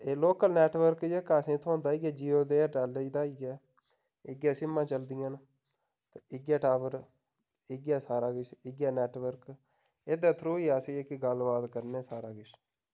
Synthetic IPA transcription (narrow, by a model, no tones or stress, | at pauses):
eːloːkəlnɛːʈʋəɾkɛːkaːsẽːt̪ʰõːnd̪aːiːɡɛːd͡ʒiːoːd̪eːʈaːleid̪aːiːɡɛː | ɪɡjaːsɪmːãːt͡ʃəld̪ɪjãːn | t̪ːɪɡjaːʈaːʋəɾ | ɪɡjaːsaːɾaːɡɪt͡ʃʰɪɡjaːnɛːʈʋəɾk | eːd̪ãːt̪ʰɾõːiːaːseːeːkɪɡəlbaːt̪kəɾneːsaːɾaːɡɪʃ